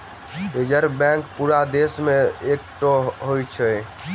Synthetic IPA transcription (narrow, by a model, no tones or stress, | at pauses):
ɾed͡ʒəɾbɛ̃ŋkpuɾad̪esmeek̚ʈoɦojt͡ʃʰə